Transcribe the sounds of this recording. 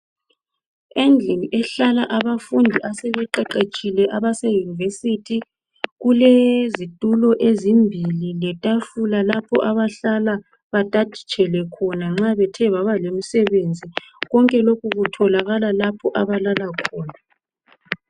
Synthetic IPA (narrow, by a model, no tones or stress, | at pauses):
end͡ɮʱiniʔɛɬalaʔaβafundʱiʔasɛβɛǃɛǃet͡ʃʼilɛʔaβasɛjunivesitʰi | ɣulezitʼulɔʔezimbʱililɛtʼafulalapʰɔʔaβaɬala | βatʼad̥ʱi̥t͡ʃʼɛlwɛkʰɔnaŋ͡ǁaβɛtʰɛβaβalemisɛβend͡zʱiɣɔŋkʼɛlokuɣutʰɔlaɣalalapʰɔʔaβalalakʰɔːna